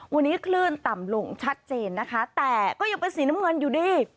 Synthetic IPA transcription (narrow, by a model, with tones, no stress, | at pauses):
wa˧nːiː˦˥kʰlɯː˥˩nt̪a˨˩mlo˧ŋt͡ɕʰa˦˥t̪̚t͡ɕeː˧nːa˦˥kʰa˦˥t̪ɛː˨˩kɔː˥˩ja˧ŋpe˧nsiː˨˩˦na˦˥mŋɤ˧njuː˨˩diː˧˩